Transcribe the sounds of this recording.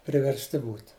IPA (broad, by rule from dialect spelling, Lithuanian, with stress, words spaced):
pʲrʲɪʋʲɛrʲsʲˈtʲɪ ˈbuːt